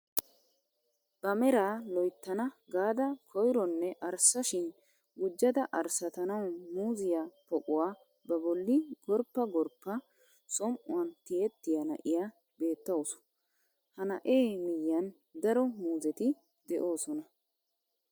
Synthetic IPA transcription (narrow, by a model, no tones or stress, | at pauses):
b̥ɐmɛɾaːlɔjt̪ːɐnɐɡaːd̪ɐkʰɔjɾɔnːɛʔɐɾsɐʃɪn | ɡʊd͡ʒːɐd̪ɐʔɐɾsɐt̪ɐnɐwmuːzɪjapɔkʼʊwaː | bɐbɔlːɪɡɔɾpːɐɡɔɾpːɐ | sɔmʔʊwɐnt̪ɪjɛt̪ːɪjɐnɐ̰ʔɪja | be̞ːt̪ːɐʊsɔ̥ | hɐnɐ̰ʔeːmɪjːɐn | d̪ɐɾɔmuːzɛt̪ɪ | d̪ɛʔo̞ːsɔnɐ